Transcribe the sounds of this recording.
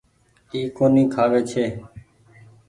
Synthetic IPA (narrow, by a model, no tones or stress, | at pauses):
iːkoːniːkʰaːʋeːt͡ʃʰeː